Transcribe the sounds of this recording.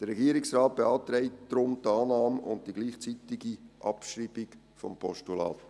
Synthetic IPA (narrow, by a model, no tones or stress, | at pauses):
d̥əɾːɛɡiːəɾɪksraːt̚b̥eɑːt̪ɾɛɪtd̥̪ɾʊmtɑːnɑːmʊ̰nt̚d̥iɡliːχt͡siːt̪ɪɡiʔɑpʃriːb̥ɪk | fɔmpʰɔʃtulɑ̰ːt